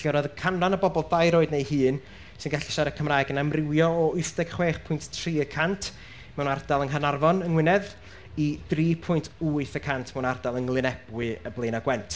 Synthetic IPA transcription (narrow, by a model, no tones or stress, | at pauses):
ɬɛɾɔðəkʰananəbɔbɔlˠdajɾoːɨdnejhɨːn | sɨnɡaɬɪ̥ʃaɾəkʰəmraːɨɡənamrɪwjɔːʊjθdɛɡ̥χweːχpʰʊjnttʰriːəkʰantʰ | mɛwnardalˠənɦanarvɔnəŋwɪnɛð | id̥riːpʰʊjntʰuːɨθəkʰantʰmɛwnardalˠəŋlˠɪnɛb̥wɨəblˠejnaɡwɛntʰ